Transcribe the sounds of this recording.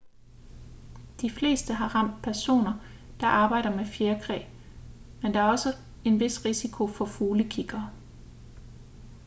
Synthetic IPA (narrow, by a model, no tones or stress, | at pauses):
d̥ifle̝̰ːsd̥əɦɑ̈ʁɑ̈m̰d̥̚pʰæɐso̝̰ːnɐd̥ɑ̈ʔɑ̈ːb̥ɑ̈ɪ̰ɾ̥ɐmefjeɐkʰʁɛ̰ː | mend̥ɑ̈æɐɒ̽sə | e̝nʋe̝sʁisikʰo̝fɒ̽fuːləkʰiɡ̥ɐː